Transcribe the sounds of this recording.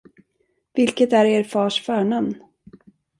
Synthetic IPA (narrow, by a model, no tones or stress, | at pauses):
vɪlkət̪æɾeːɾfɑːʂfœːɳamn